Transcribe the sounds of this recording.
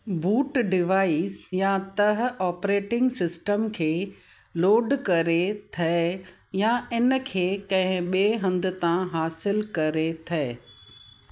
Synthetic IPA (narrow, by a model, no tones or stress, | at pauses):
buːʈɖɪʋaːisjãt̪ɐɦ̆ɔːpɾeːʈɪ̃ŋɡsɪsʈəmkʰeː | loːɖkɐɾet̪ʰɐe | jaɪnə̆kʰeːkɐ̃ɦɪ̃ɓeːɦɐ̃nd̪ɪ̆t̪ãɦaːsɪlkɐɾet̪ʰɐː